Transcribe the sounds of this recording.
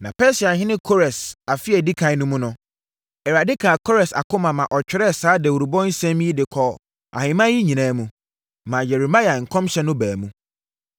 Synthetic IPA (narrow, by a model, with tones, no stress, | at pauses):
nã˨pʰɛ˦sɪ˨a˨ɦɪ̃˦nɪ̃˦kʰo˦ɾɛ˨sa˨fɪ˦ɛ˨di˦kʰã˨˦nʊ̃˦mũ˦nʊ̃˨ | ɛ˨ɾa˨dɪ˦kʰa˨kʰɔ˦ɾɛ˨sa̰˨kʊ˦mã˨mã˨ʔɔ˨t͡ɕᶣɪ˨˦ɾɛ˦˨saː˨˦dɛ˨u˨ɾu˨bɔ̃˦n̩˦sɛ̃˦m˦i˦dɪ˨kʰɔ˨ | ʔa̰˨hɪ̃˨mã˦ji˦ɲĩ˨nãː˦mũ˨ | mã˨jɛ˨ɾi˨ma˦ja˨ŋ̩˨kʰɔ̃˦mɕɛ˦nʊ̃˦bæː˨mũ˦